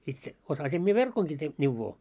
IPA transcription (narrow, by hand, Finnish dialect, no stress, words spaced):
itse osɑsim mie ʋerkoŋki te n̆iʋːoː